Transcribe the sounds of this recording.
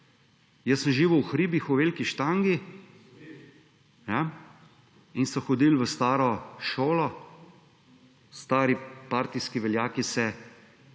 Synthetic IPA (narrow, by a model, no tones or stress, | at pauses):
jəsəmʒiːʋuwxɾiːbixuʋeːlkiʃt̪aːŋɡi | ja | insɔxɔd̪ilʋəst̪aːɾɔʃoːlɔ | st̪aːɾipaːɾt̪iskiʋɛljaːkisɛ